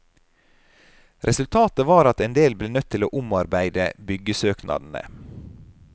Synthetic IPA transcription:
ɾʔɛsʉlt̪ʰɑːt̪əʋɑːɾɑt̪ɛnd̪eːlbleːnœt̪ʰːɪlo̰ːʔʊmɑɾbæɪd̪ə̰bʏɡəsøːknʔɑ̰d̪n̩ə̰

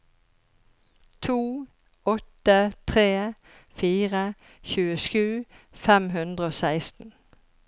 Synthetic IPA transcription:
t̪ʰuː | ɔt̪ət̪ʰʁeː | fiːʁə | çʉːəʃʉː | fɛmɦʉnd̪ʁəoːsæɪst̪n̩

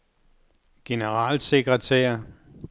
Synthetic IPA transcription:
ɡ̥e̝nəʁɑ̈ːlse̝ɡ̥ʁɐt͡sʰɛ̰ːɐ

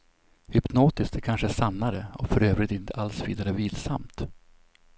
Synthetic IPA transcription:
hʏpnoːt̪ɪst̪ɛkʰanʂəæʂanːaɾəɔfœɾøːvɾɪt̪ɪnt̪ʰəʔalsvḭːd̪aɾəviːlsa̰mt̪

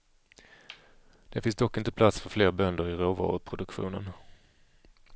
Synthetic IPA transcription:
d̪̥ɛfɪnsd̪ɔkːɪnt̪əpʰlat̪sfœɾfleːɾbœnd̪əɾɪɾoːvɑ̰ːɾʊpʰɾʊd̪ɵkɧṵːnə̰n

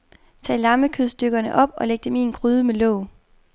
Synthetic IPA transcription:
t͡sʰɛ̰ːlɑ̈məkʰøðˠsd̥øɡ̥ɐnəʔɒ̽b̥ɒ̽leɡ̥̚d̥eminɡ̥ʰʁyːð̞ˠəmelɔ̰ʊ̰

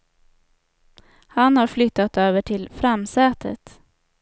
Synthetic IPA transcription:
hanhaɾflʏt̪ːat̪øːvəʈʰɪlfɾamsɛːt̪ʰə̰t̪

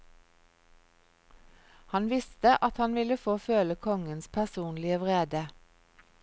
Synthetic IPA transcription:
hɑnʋɪst̪əʔɑt̪hɑnʋɪləfoːføːləkʰɔŋənspʰæʁsuːnlɪəʋʁeːd̪ə

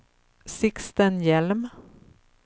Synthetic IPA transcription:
sɪkst̪ənjɛlm

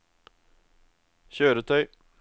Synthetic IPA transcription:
çøːɾət̪ʰœʏ

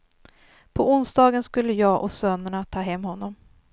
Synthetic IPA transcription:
pʰɔʔʊnsd̪ɑːɡənskɵlːəjɑːɡʔɔ̰sœnəɳat̪ʰɑːɦɛmːhɔnːɔm

